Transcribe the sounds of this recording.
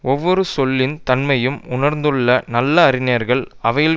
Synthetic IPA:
ɔʋːɔɾɯsɔlːɪnt̪ɐnmɐjɯmʊɳɐɾnd̪ɯɭːɐnɐlːɐːɾɪneɐɾɣɐɭɐʋɐjɪl

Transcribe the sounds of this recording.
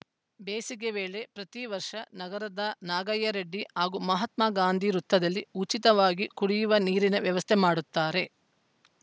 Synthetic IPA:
beːsiɡeʋeːɭe̞pɾɐt̪iʋɐɾʂɐnɐɡɐɾɐd̪ɐnaːɡɐjːɐɾeɖːiɦaːɡuːmɐɦɐt̪maːɡaːnd̪ʱiɾut̪ːɐd̪ɐlːiut͡ʃit̪ɐʋaːɡikuɽijuʋɐniːɾinɐʋjɐʋɐst̪ʰemaːɽut̪ːaːɾe̞

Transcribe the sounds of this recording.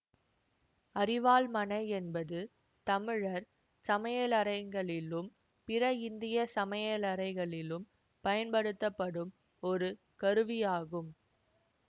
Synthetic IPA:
ɐɾɪʋaːlmɐnɐɪɛnbɐðɯ | t̪ɐmɪɻɐɾ | sɐmɐjɐlɐɾɐɪŋɡɐɭɪlɯm | pɪɾɐɪnd̪ɪjɐsɐmɐjɐlɐɾɐɪɣɐɭɪlɯm | pɐjɐnpɐɽɯt̪ːɐpːɐɽɯm | ɔɾɯ | kɐɾɯʋijaːɣɯm

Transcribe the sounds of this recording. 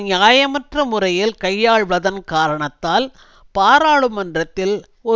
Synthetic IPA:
jaːjɐmɐʈrɐmʊrɐjɪlkɐjːaːɻʋɐðɐnkaːɾɐɳɐt̪ːaːl | paːɾaːɭɯmɐndrɐt̪ːɪl | ɔ

